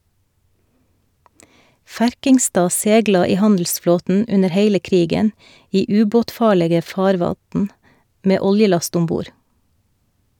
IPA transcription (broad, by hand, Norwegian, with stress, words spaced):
ˈfæɾkɪŋˌstɑː ˈseːɡlɑ ˈiː ˈhɑndl̩sˌfloːtn̩ ˈʉnəɾ ˈheɪlə ˈkɾiːɡən ˈiː ˈʉːboːtˌfɑːɭeːɡə ˈfɑːɾʋɑtn ˈmeː ˈɔljəˌlɑst ˈʊm ˈbuːɾ